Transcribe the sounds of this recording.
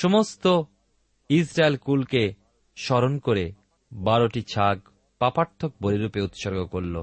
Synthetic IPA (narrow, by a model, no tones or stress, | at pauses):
ʃomost̪o | isɾaelkulke | ʃɔɾonkoɾe | baɾoʈit͡ɕʰaɡ | papaɾt̪ʰːok̚boɾiɾupeut̪ʃɔɾɡokoɾlo